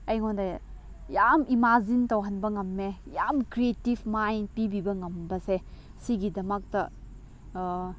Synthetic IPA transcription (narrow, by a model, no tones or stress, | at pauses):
ɐjŋondɐ | jamʔimazintɐwɦɐnbɐŋɐmːejamkɾietibmajnpibibɐŋɐmbɐse | siɡidɐmɐk̚tɐ